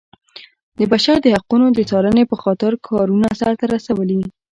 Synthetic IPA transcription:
d̪əbaʃaɾd̪əhaqunod̪ət͡sɑlənepəxɑt̪ɪɾkʰɑɾunasaɾt̪aɾasawəli

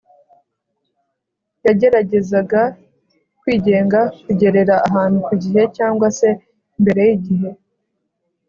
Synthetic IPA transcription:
jaɟe̞ɾaɟe̞zaɡa | kwiːɟe̞ːŋɡakuɟe̞ɾe̞ɾaːɦaːn̥hukuɟiɦe̞caːŋɡwase̞ | mbe̞ɾe̞jiɟiɦe̞

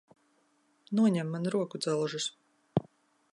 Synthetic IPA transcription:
nuɔɲɛmːanɾuɔkud̪zɛlˠʒus

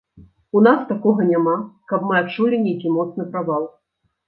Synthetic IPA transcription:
unast̪akɔɣɐnʲamakɐpmɨat̪t͡ʂulʲinʲejkʲimɔt̪snɨpɾavalˠ

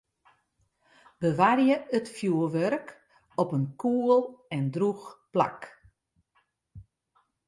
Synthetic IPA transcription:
bəʋarjəʔətfjuəʋørk | ɔpənkʰuːəlˠɛndruxpla̰k

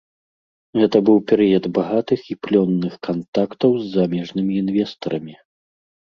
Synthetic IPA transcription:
ɣɛt̪ɐbɨwpʲɛɾɨjɐd̪baɣat̪ɨxiplʲɔnːɨxkant̪akt̪ɐwzːamʲɛʐnɨmʲiːnvʲɛst̪ɐɾɐmʲi

